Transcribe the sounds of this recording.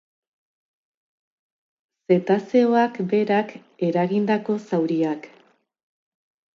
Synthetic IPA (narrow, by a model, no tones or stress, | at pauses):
se̞t̪ase̞o̞akbe̞ɾake̞ɾaɣind̪ako̞sawɾiak